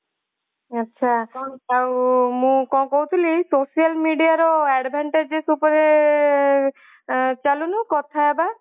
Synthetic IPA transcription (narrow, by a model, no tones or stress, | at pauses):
atːʃʰaawmũkɔkɔɦwt̪ʰilisosialmiɖijaɾɔɛɖbʱaɳʈed͡ʒesupɔɾe | t͡ʃalunukɔt̪ʰaeba